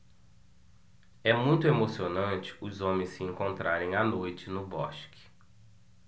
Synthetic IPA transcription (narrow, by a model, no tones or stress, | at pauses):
ɛmũj̃t̪ʊemosionɐ̃nt͡ʃɪ̥ʊzõmẽsɪẽŋkõnt̪ɾaɾẽj̃anojt͡ʃɪnʊbɔ̰ʃkɪ̥